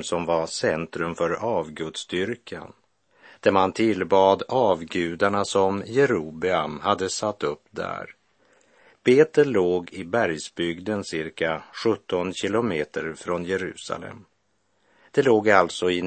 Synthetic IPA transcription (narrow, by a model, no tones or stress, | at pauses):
sɔmvasɛnt̪ɾɵmfœɾɑːvɡɵd̪sd̪ʏɾkʰa̰n | d̪̥æɾmant̪ʰɪlbɑːd̪ɑːvɡʉ̟ːd̪aɳasɔmjɛɾuːbɪamhad̪ːəsat̪ːɵpːd̪æ̰ɾ | b̥eːt̪əɭloːɡɪbæɾjsbʏɡd̪ənsɪɾkaɧɵt̪ːɔnɕɪlʊmeːt̪əɾfɾɔnjɛɾʉ̟ːsa̰lɛ̰m | d̪̥ɛloːɡalt̪sɔɪ